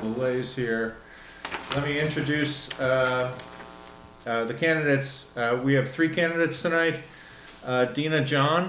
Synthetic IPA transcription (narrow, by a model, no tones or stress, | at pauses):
ðəleɪz̥hiɹ | lɛt̚miɪ̃nt͡ʃɹ̥ɨdʉs | ðɨkʰæ̃ndɨɾeɪtswiɨv̥θɹikʰæ̃ndɨɾeɪtstʰɨnaɪt̚ | d̥ĩnɨd͡ʒɑ̃n